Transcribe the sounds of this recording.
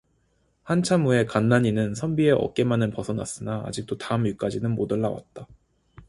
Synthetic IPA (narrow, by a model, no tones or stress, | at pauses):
hant͡ɕʰamue̞kanːaɲinɯnsʰʌmbie̞ʔʌ̰k̚k͈e̞manɯnpʌsʰʌna̰s͈ɯnaa̰d͡ʑik̚t͈otaɯmik͈ad͡ʑinɯnmodɯɭːawa̰t̚t͈a